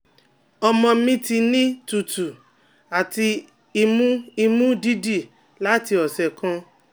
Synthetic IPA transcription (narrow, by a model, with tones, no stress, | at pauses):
ɔ˧mɔ̃˧mĩ˦ti˧nĩ˦tu˨tu˨ | a˨ti˧ | i˧mũ˦i˧mũ˦di˦di˦˨ | la˨˦ti˧ɔ˨sɛ˨kã˧